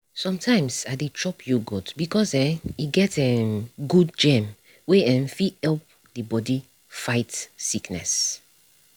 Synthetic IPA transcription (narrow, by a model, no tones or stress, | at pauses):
sɔ̃mtʰãɪ̃msaditʰɹɔpʰjuɡɔtbikɔsɛ̃iɡɛtɛmɡud̚d͡ʒɛ̃m | weɛ̃mfihɛlp̚ | dibɔdi | faɪtsiknɛ̰s